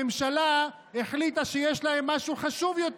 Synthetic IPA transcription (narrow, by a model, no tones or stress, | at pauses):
emʃala | eχlit̪aʃejeʃlae̞mːaʃuχaʃuvjo̞t̪